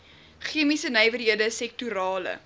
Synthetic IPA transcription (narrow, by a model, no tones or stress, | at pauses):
χiəmisənəjvərɦiədəsɛk̚tuɾɑːlə̰